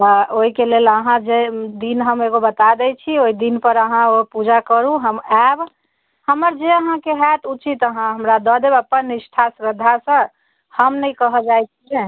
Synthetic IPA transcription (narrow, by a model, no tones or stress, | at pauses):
əoɦikeleləɦãd͡ʒed̪inɦəmeɡobət̪ad̪ɛt͡ʃʰioid̪inpəɾəɦãopud͡ʒakəɾũɦəmab | həməɾd͡ʒeəɦãkeɦɛt̪ut͡ʃit̪əɦãɦəmɾad̪ɔd̪ebəpːənːisʈʰasɾəd̪ʱːasə̃ | həmnəjkəɦəd͡ʒajt͡ʃʰiɛ